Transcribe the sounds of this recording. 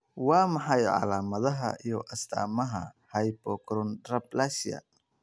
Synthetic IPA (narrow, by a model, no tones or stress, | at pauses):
wɑːmɑħɑjʕɑ̰laːmɐðɐɦɐ̰ijɔʔɐst̪ʰa̰ːmɐɦɐ̰hɐjbɔkʰɾɔnd̪rɐblaʃjɐ̰